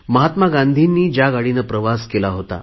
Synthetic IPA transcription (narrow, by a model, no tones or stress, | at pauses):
məɦat̪maɡand̪ʱinːiːd͡ʑjaɡaɽinəpɾəʋaskelaɦot̪a̰